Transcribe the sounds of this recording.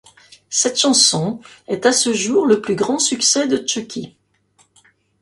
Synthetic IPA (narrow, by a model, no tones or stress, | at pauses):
sɛt̪ʃɑ̃sɔ̃ɛt̪asəʒuʁləplyɡʁɑ̃syksɛd̪ət͡ʃəkʲʰi